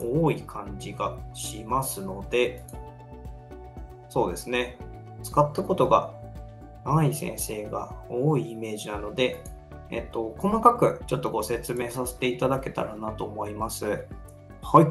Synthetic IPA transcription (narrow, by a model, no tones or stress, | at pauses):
oːikʰãɲ̟d͡ʑiɡaɕimasɨno̞d̪e̞ | so̞ːd̪e̞sɨne̞ | t͡sɨ̥kat̪ːako̞t̪o̞ɡa̰ | maisẽ̞̰ɰ̃se̞ːɡa̰oːiːme̞ːʑinano̞d̪e̞ | ḛt̪ːo̞ko̞makakɯ̟t͡ɕo̞t̪ːo̞ɡo̞se̞t͡sɨme̞ːsase̞̥t̪e̞it̪ad̪ake̞t̪a̰ɾanat̪o̞ːmo̞imasɨ | hai